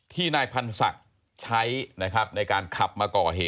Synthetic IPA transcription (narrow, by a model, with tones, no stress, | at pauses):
t̪ʰiː˥˩naː˧jpʰa˧nsa̰˨˩k̚ | t͡ɕʰa˦˥jna˦˥kʰɾa˦˥p̚na˧jkaː˧nkʰa˨˩p̚maː˧kɔː˨˩ɦeː˨˩